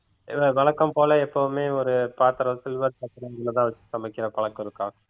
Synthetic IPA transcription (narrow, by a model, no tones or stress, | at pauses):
ʋɐʋɐɭɐkːɐmpoːlɐɛpːɐʋɯmeːɔɾɯpaːɾt̪ɐɾɐsɪlʋɐːɾpɐt̪ːɪɾɐŋɡɐɭɐt̪ãːʋɐt͡ʃːɯsɐmɐkːɪɾɐpɐɭɐkːɪɾɯkːãː